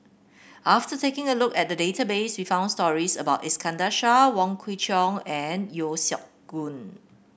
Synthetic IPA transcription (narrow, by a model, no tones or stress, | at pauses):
ʔaftətekɪ̃ŋəlʊkɛt̚dədetabeswifãʊ̃nstɔɹisəbaʊtɛskʰãndaʃawɔ̃ŋkʰwit͡ʃɔ̃ŋɛ̃njosjɔk̚ɡ̥ũn